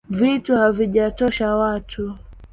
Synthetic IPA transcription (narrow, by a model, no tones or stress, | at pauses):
vituhaviʄatɔʃawatʰu